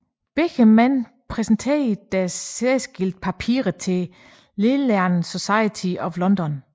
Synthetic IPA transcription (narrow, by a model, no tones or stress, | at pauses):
b̥eɡ̥əmæn̰ | pʰʁɛsn̩t͡sʰed̥æesɡ̥ild̥̚pʰæpʰḭːɐʁð̩ˠt͡sʰe̝ | lelæɐnso̝sɑ̈ɪət͡sʰiɒ̽ʋlɒ̽nd̥ɒn